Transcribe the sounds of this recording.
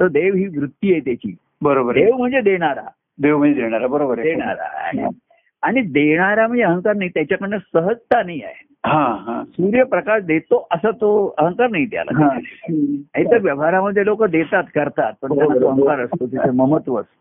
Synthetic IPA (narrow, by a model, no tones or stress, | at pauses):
t̪əɾd̪eʋɦiːʋɾut̪ːiːɦet̪jat͡ɕḭː | bəɾobəɾd̪eʋm̤əɳd͡zed̪eɽ̃aɾa̰ | d̪eʋm̤əd͡zed̪eɽ̃aɾabəɾobəɾd̪eɳ̃a̰ɾa̰j̰ | aɽ̃id̪eɽ̃aɾam̤əɳd͡zeəɦəŋkaɾnait̪jat͡ɕakəɽnəsəɦəd͡zt̪anaia̰je | ɦãɦãsuɾjəpɾəkaʂd̪et̪oʔəsət̪oəɦəŋkaɾnaɦit̪ja̰lə̰ã | ait̪əɾʋjəʋaɾaməd̪ʱːjelokəd̪et̪at̪kəɾt̪at̪̚pəɳt̪oaɦə̃ŋkaɾəst̪ot̪it̪eməmət̪ʋəs